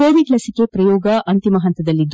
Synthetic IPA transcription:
oːʋiɖlɐsike̞pɾɐjɔːɡɐʔɐnt̪imɐɦɐnt̪ɐd̪ɐlːid̪

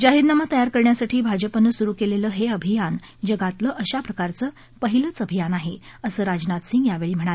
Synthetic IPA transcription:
d͡ʑaɦiːɾnamat̪əjaɾkəɾɳjasaʈʰiːbʱad͡ʑəpənəsuɾuːkeleləːɦeəbʱijan | d͡ʑəɡat̪ləːʔəɕapɾəkaɾt͡səː | pəɦilət͡səbʱijanaɦeəsəːɾad͡ʑnat̪siŋɡjaʋeɭiːm̤əɽ̃ale

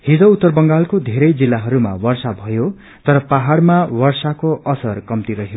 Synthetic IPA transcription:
hid͡zʌut̪ːʌrbʌŋɡalkod̪ʱeɾʌjd͡zilːaɦʌɾuma̰wʌrsabʱʌjo | t̪ʌɾʌpaɦaɽmawʌrsakoʌsʌrkʌmt̪iɾʌɦo

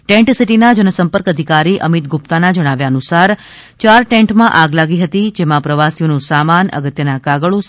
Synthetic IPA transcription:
ʈɛ̃ɳʈsiʈinad͡ʒənəsəmpəɾkəd̪ʱikaɾiʔəmit̪̚ɡup̚t̪anad͡ʒəɽ̃aʋjaənusaɾ | t͡ʃaɾʈẽɳʈmãʔaɡlaɡiɦət̪id͡ʒemãpɾəʋasijonũsamanə̰ɡət̪jənakaɡəɭũ

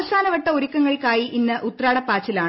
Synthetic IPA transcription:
ɐsaːnɐʋɐʈːɐuɾukːɐŋːɐɭkaːjiʔinːɨʔut̪ːraːɽɐpːaːt͡ɕːilaːɳ

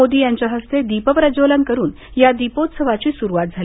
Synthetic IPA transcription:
od̪iːjaɲt͡ɕjaɦəst̪ed̪ipəpɾəd͡ʑoləŋkəɾuːn | jad̪ipot̪səʋat͡ɕiːsuɾuʋat̪̚d͡zʱali

